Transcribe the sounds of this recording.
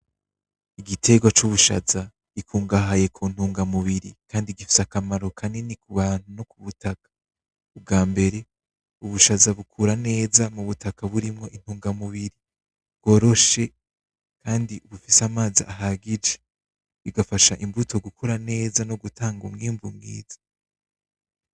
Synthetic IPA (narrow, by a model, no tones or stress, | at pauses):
iɡitʰe̞ɡwat͡ʃuβuʃa̰za | ikʰuːŋɡaɦaje̞kʰun̥huːŋɡamuβiɾikaːndiɡifi̥sakamaɾo̞kʰanenikuβaːn̥huno̞kuβutakḁ | ub̚ɡaːmbe̞ɾe̞ | uβuʃazaβukʰuɾane̞ːzamuβutakaβuɾimŋo̞ʔin̥huːŋɡamuβiɾi | bɡo̞ːɾo̞ʃe̞ | kaːndiʔuβufisamaːziʔa̰ɦaɡid͡ʒe | βiɡafaʃaʔimbutʰo̞ɡukʰoɾane̞ːzano̞ɡutʰaːŋɡumŋiːmvuŋɡḭːz̥ḁ